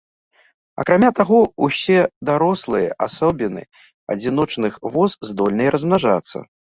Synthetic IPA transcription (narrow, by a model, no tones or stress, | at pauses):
ɐ̰kɾamʲat̪aɣɔusʲɛd̪aɾɔslˠɨjɐ̰ʔasɔbʲinɨ̰ | ɐ̰d͡zʲin̪ɔt͡ʂnɨxvɔzzd̪ɔlʲnɨjɛɾɐzmnaʐa̰t̪sːɐ̰